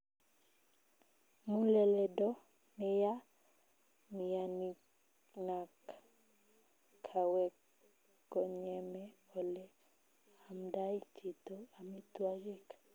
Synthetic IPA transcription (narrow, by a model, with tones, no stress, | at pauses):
mu˦lɛ˨lɛ˨dɔ˦ | nɪ˦ja˦ | mi˨ja˨ni | na˨k | kʰa˨wɛk | kɔɲɛmɛ˦o˨lɛ | a˨mda˦i˦tʰi˨t̪oa˨mi˦twa˦d͡ʒi˦k